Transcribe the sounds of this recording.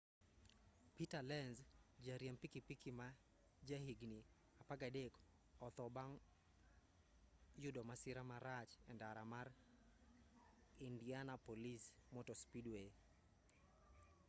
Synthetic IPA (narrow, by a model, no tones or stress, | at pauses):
pitalɛnzd͡ʒaɾjampikipikima | d͡ʒahiɡni | apaɡadek | ɔt̪ɔbaŋ | jʊdɔmasɪɾamaɾat͡ʃɛndaɾamar | indianapolismɔtɔspidwe